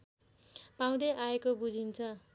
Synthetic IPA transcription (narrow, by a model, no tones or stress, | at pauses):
paw̃d̪ʌʔaekobud͡zʱint͡sʰʌ